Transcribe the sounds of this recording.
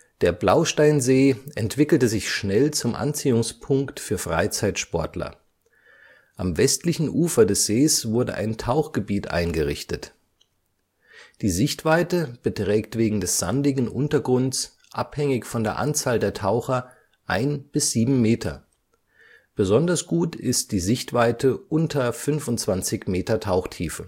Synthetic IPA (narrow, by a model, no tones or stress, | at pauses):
d̥eːɐblaʊʃtaɪnzeːʔɛntv̥ɪkl̩təzɪçʃnɛlt͡sʊmʔa̰nt͡siːʊŋspʰʊŋktfyːɐfʁ̥a̰ɪt͡saɪtʃpɔɐtlɐ̰ | ʔamvɛstlɪçn̩ʔuːfɐdɛsz̥eːsv̥ʊɐdə̰ʔa̰ɪntʰaʊxɡ̥əbiːtʔa̰ɪnɡəʁɪ̰çtət | d̥iːzɪçtv̥aɪtəb̥ətʁ̥ɛːk̚tv̥eːɡŋ̩dɛsz̥a̰ndɪɡŋ̩ʔʊ̰ntɐɡʁʊnt͡s | ʔa̰phɛŋɪçfɔndeːɐʔa̰nt͡saːldeːɐtʰaʊxɐ | ʔaɪnb̥ɪsz̥iːbm̩meːtʰɐ̰ | b̥əzɔndɐsɡ̥uːtɪst̚d̥iːzɪçtv̥aɪtʰəʔʊntʰɐfʏnfʊntt͡sv̥ant͡sɪçmeːtɐtʰaʊxtʰiːfə